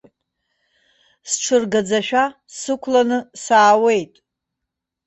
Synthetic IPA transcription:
sʈ͡ʂʰɨrɡad͡zaʃᶣa | sɨkʷʰlanɨsaːwe̞jtʼ

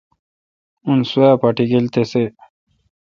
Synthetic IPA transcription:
unsuapaʈiɡilt̪ese

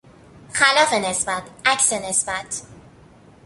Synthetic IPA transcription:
xælɒːfe̞ne̞sbæt̪ʰʔæcsenesbæt̪ʰ

